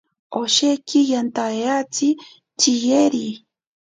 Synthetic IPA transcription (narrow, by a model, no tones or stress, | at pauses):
oʃekijant̪aeat͡si | t͡ʃijeɾi